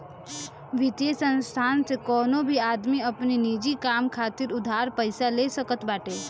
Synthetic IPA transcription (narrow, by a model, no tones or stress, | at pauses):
ʋɪt̪jesə̃nst̪ʰaːnsekɔːnõbʱiaːd̪miɐpninid͡ʒikaːmkʰaːt̪ɪɾʊd̪ʱaːɾpəɪsaleːsəkət̪baːʈeː